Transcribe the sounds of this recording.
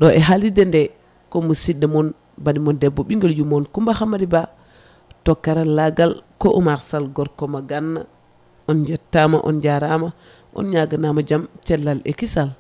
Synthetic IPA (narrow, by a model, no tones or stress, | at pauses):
ɗɔɛɦalidɛndɛ | kɔmusidːɛmɔn | banimɔndɛbːɔɓiŋɡɔljumɔnkumbahamːadiba | tɔkːaɾalaɡalkɔʔumaɾsalɡɔɾkɔmaɡanːa̰ | ɔnd͡ʒɛtːama̰ʔɔ̰nd͡ʒaɾama | ʔɔ̰nɲaɡanamad͡ʒamt͡ʃɛlːalɛ̰kisal